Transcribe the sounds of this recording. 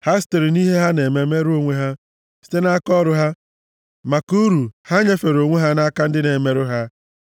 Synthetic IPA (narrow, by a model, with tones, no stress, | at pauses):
ha˦ste˨ɾi˨ni˦ɦe˦ɦa˦ne˨me˨me˦ɾo˦ŋʷe˦ɦa˦ | si̥˦te˦na˦kɔ˦ɾʊ˦ɦa˦ | ma˨ku˦ɾu˨ha˦ɲe˦fe˨ɾo˨ŋʷe˦ɦa˦na˦ka˦n̩˦dɪ˦ne˨me˨ɾʊ˦ɦa˦